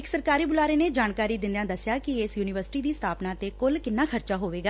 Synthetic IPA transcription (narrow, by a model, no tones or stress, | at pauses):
ɪksəɾkaːɾiːbʊlaːɾeːneːd͡ʒaːnkaːɾiːd̪ɪ̃nd̪jãːd̪əsjaːkiɪsjuːnɪʋəɾsɪ̥ʈiːd̪iːst̪ʰaːpnaːt̪eːkʊlkɪnːãːkʰəɾt͡ʃaːɦoːʋeːɡaː